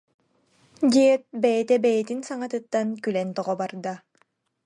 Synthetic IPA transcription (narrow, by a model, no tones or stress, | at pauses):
d̪iɛt̪̚bɛjɛt̪ɛbɛjɛt̪insaŋat̪ɯt̪ːankylɛnt̪ɔʁɔbaɾd̪a